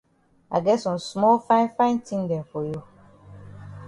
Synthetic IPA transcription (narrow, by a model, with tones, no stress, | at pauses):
a̰˨ɡɛ˦sũ˨smɔ˦fã˦ɪ̃˦nfã˦ɪ̃˦ntʰĩ˦ndɛ̃˨n˨fo˨jo˦